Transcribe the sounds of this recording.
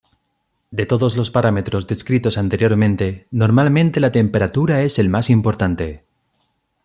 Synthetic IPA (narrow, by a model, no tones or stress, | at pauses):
d̪e̞t̪o̞ðo̞zlo̞spaɾame̞t̪ɾo̞zðe̞skɾit̪o̞sant̪e̞ɾjo̞ɾmẽnt̪e̞no̞ɾmalmẽnt̪e̞lat̪e̞mpe̞ɾat̪uɾae̞se̞lmasimpoɾt̪ant̪e̞